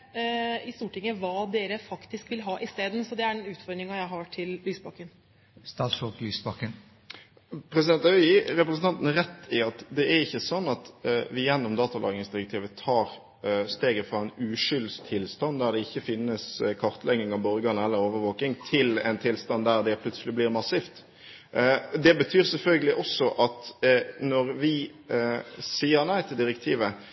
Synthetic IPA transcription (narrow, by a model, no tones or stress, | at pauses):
ɪst̪uːʈɪŋːəʋɑːd̪eːɾəfɑkt̪ɪskʋɪlɦɑːʔɪst̪eːd̪n̩sɔd̪ɛæɖɛnʉːt̪fɔɾɖ̪ɾɪŋɑjæɪɦɑʈʰɪllyːsbɑkːən | st̪ɑːsɔklyːsbɑkːən | pʰɾɛsɪd̪ɛnt̪ɑɾɛpɾəsn̩t̪ɑnt̪n̩ɾɛt̪ːɪɑt̪d̪ɛæɾɪçːəsɔnːɑt̪ʋɪjɛnːɔmd̪ɑːt̪ɑlʔɑ̰ːɡɪŋsd̪ɪɾəkt̪ʰiːʋət̪ʰɑːɾ | st̪eːɡəfɾɑɛnʉːʂʏlst̪ʰɪlst̪ɑnd̪æɾd̪ɛɪçːəfɪnːəskʰɑɾt̪ʰlɛɡɪŋɑʋbɔɾɡɑnəɛlːəɾoːʋəɾʋoːkɪŋt̪ʰɪlɛ̰ɪnt̪ʰɪlst̪ɑnd̪æɾd̪ɛpʰlʉt̪səlɪblɪːɾmɑsiːft̪ | d̪ɛbət̪ʰyːɾsɛlfœlɡəlɪʔɔsːɔʔɑt̪nɔɾʋɪ | siːəɾnæɪt̪ʰɪld̪ɪɾəkt̪ʰiːʋə